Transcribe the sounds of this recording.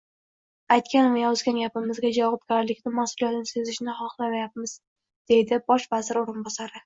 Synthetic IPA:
ajt̪kʲanvajɒzɡʲanɡʲapɪmɪzɡʲad͡ʒaɒp̚kʲaɾalɪkʲnɪmasʊlˠijat̪ɪnɪsezɪʃnɪχɒχlˠamajap̚mɪz̥ | d̪̥e̞jd̪ɪbɒʃvazɪɾoɾɪnbɒsaɾɪ

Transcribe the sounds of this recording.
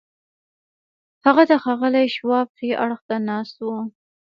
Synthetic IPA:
haɣad̪əxɑɣəlajʃwɑp̚xeʔaɽxt̪anɑst̪wu

